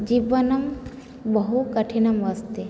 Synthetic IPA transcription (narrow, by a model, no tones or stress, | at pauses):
d͡ʒibɐnɐm | bɐɦukɐʈʰinɐmʋɐst̪e